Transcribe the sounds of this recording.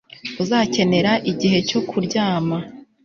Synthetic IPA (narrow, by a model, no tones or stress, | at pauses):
uzaːce̞ne̞ɾaʔiɟiɦe̞co̞kʰuɾɟaːma